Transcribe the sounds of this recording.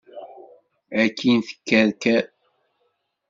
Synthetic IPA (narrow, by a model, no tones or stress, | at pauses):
ækʰːinθə̥kːæɾkæ